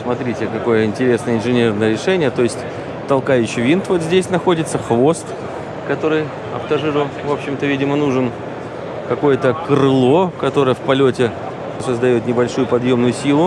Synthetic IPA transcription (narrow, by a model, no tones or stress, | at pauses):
smɐt̪ɾʲitʲɪkɐko̞jəɪnʲtʲɪɾʲe̞snəjəɪnʐɨnʲe̞rnəjəɾʲɪʂɛnʲɪjət̪o̞jɪsʲtʲ | t̪ɐlˠkajʉɕːɪvʲint̪vo̞t̪zʲdʲesʲnɐxo̞dʲɪt̪səxvo̞st̪ | kɐt̪o̞ɾɨj | ɐ̰ft̪ɐʐɨɾʊvo̞pɕːɪmt̪əvʲidʲɪmənuʐɨn | kɐko̞jət̪əkɾɨlˠo̞kɐt̪o̞ɾəjəfpɐlʲotʲɪ | səzd̪ɐjo̞t̪nʲɪbɐlʲʂujʊpɐd̪jo̞mnʊjʊsʲilˠʊ